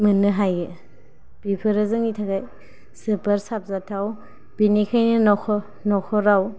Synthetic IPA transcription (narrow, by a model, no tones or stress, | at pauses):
mɯnɯɦajɯ | b̥ipʰɯɾɯzɯŋitʰaɡaj | sɯpɐɾsap̚zatʰaw | b̥inikʰajnɯnɔkʰɔ | nɔkʰɔɾaw